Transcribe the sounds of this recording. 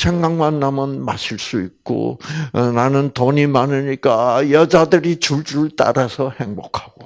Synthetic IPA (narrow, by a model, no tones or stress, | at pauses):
t͡ɕʰeŋɡaŋmanːamɯnmaɕʰiɭs͈uik̚k͈o̰nanɯntoɲimanɯɲik͈ajʌd͡ʑadɯɾit͡ɕuɭt͡ɕuɯɭt͈a̰ɾasʰʌhe̞ŋbokʰḁɡ̥o